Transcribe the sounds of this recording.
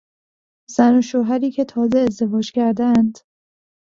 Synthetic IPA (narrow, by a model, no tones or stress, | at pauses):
z̥ænoʃoːɦæɾiːcʰe̞t̪ʰɒːzeːzd̪e̞vɒːd͡ʒcʰæɾd̪æænd̪̥